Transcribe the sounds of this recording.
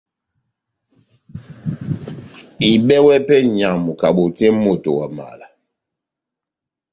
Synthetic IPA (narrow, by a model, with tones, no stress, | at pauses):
i˨ɓɛ˦wɛ˦pɛ˦ɲa˨mu˨ka˨ɓo˨tɛ˦mo˦˨to̰˨wa˨ma̰˨la˨